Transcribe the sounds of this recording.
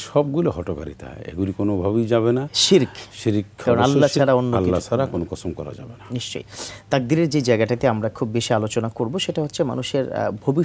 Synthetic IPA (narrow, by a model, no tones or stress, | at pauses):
ʃɔbɡuloɦɔʈoka̰ɾḭt̪eɦɔ̰eḛɡulikonobʱabid͡ʑaβenaʃiɾkʰʃiɾkkaɾonaallːat͡ɕʰaɾaonːoalkliːat͡ʃʰaɾakonokɔsomkɔ̰ɾa̰d͡ʒa̰benaniʃt͡ɕo̰jt̪aɾ̚d̪iɾeɾd͡ʑed͡ʑaeɡaʈat̪eamɾakʰubːeʃialot͡ɕonakoɾboʃeʈaɦot̪ːɕʰema̰nuʃeɾ̰bʱobi